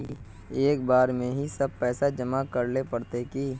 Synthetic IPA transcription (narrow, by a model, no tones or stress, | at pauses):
i | eːk̚baːɾmẽɦisɐb̚pɛːsad͡ʒəmakɐɾlepɐɽt̪ekiː